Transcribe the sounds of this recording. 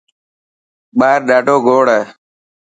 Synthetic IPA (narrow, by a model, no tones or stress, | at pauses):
ɓaːɾɖaːʈoːɡʱoːɽeː